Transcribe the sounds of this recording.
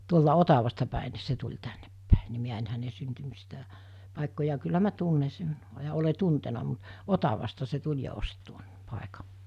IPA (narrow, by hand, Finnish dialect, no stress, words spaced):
tuoltɑ otɑʋɑstɑ pæˑe ni̞ se tulʲ tænːepːæˑe ni miæ en hæne syntymistæ pɑˑekːojɑ kylːæ mæ tunːe sen jɑ ole tuntenɑ mut otɑʋɑstɑ se tulʲ jɑ ost tuon pɑˑekɑ